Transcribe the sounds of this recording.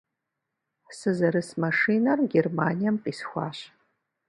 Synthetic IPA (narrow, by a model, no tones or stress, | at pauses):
sɨzɐɾɨsmɐʂiːnɐrɡʲermaːnijɐmqʼiːsxʷɑ̰ːɕ